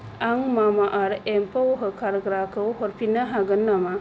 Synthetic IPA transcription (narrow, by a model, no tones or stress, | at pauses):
aŋmamaʔaɾempawɦɯkʰaɾɡɾakʰɯwɦɔɾpʰinaɦaɡɯnːama